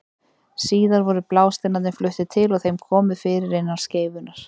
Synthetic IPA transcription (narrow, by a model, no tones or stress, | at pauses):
siːðaɾvɔɾʏplaːwst̪ɪnaðɪnflʏht̪ɪt̪ʰɪlɔɣθejmkʰɔːmʏðfɪːɾɪɾɪnːaɾ̥sceːjvʏnaɾ̥